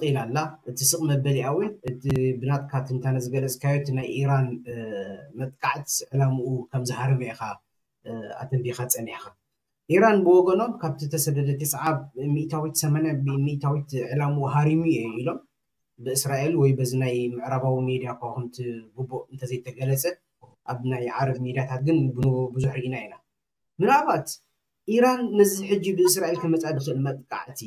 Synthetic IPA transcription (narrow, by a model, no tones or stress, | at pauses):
qʼilalːaʔɨt̪ʰisɨχʼmɐbɐliʔawinɨt̪ʰibɨnat̪ʼkʰat̪ʰɨnt̪ʰanɐzɨɡɐlɐt͡sʼkʰajot̪ʰnajʔiɾan | mɐt̪ʼkʼaʕt̪ʰʕɨlamuʔukʰɐmzɨhaɾiβɐjxa | a̰t̪ʰɐmbixat͡sʼɐniħxa | ʔiɾanbɨwɔɡɐno̞mkʰaβt̪ʰit̪ʰɐsɐd̪ɐd̪ɐt̪ʰesʼʕaβmiʔt̪ʰawit̪sɐmanabmiʔt̪ʰawit̪ʕɨlamuɦaɾimujeilo̞m | bɨɨsɾaʔelwɔjbɐzinajmɨʕɾaβawimid̪ijakakʰɐmt̪ʰiɡubːoʔɨnt̪ʰɐzɐjt̪ʰɐɡɐlɐt͡sʼɐ | ʔaβnajʕaɾɐβmid̪ijat̪ʰat̪̚ɡɨnbɨnɨbɨzuħɾɨʔinaina | mɨnaβat̪ | ʔiɾanːɐziħɨd͡ʒːibɨɨsɾaʔelkʰɐmɐt͡sʼad̪ɨxɨɨlmɐt̪ʼkʼa̰ʕt̪ʰi